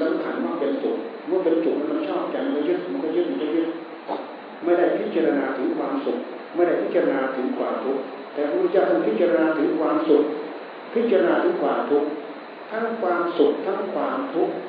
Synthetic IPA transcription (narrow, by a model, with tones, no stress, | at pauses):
sa˧˥˦mkʰa˧˩nma˥˩pe˧nsṵ˨˩k̚ | mɯ˥˩˨pe˧nt͡ɕu˨˩k̚maː˧˥˩ma˧nt͡ɕʰɔː˥˩p̚t͡ɕa˨˩na˧˩kʰːt͡ɕʰt̪̚mu˧˥nkʰɔː˥˩t͡ɕʰi˦˥˩t̪̚ʰːt͡ɕʰːli˥˩ə˨ | ma˥˩jda˥˩jpʰi˦˥t̪̚t͡ɕa˧ɾa˧naː˧t̪ʰɯ˩˦ŋkʰwaː˧msu˨˩k̚ | ma˥˩jda˥˩jpʰi˦˥t̚t͡ɕa˧ɾa˧naː˧t̪ʰɯ˩˦ŋkʰwaː˨˩t̪ʰu˦˥k̚ | t̪ɛː˨˩mu˧˥t͡ɕa˧˩ma˧˩pʰi˦˥t̪̚t͡ɕa˧ɾa˧naː˧t̪ʰɯ˨˩˦ŋkʰwaː˧msu˨˩k̚ | pʰi˦˥t̪̚t͡ɕa˧ɾa˧naː˧t̪ʰɯ˨˩˦ŋkʰwaː˨˩mt̪ʰu˦˥k̚ | t̪ʰa˦˥˩ŋkʰwaː˧msu˨˩k̚t̪ʰa˦˥ŋkʰwaː˧mt̪ʰu˦˥k̚